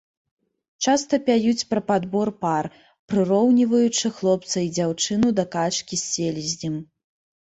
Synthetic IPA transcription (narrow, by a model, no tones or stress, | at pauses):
t͡ʂast̪ɐpʲajut͡sʲpɾɐpad̪bɔrpar | pɾɨɾɔwnʲivɐjut͡ʂɨxlˠɔpt̪sɐjd͡zʲawt͡ʂɨnud̪ɐkat͡ʂkʲisʲːelʲizʲnʲim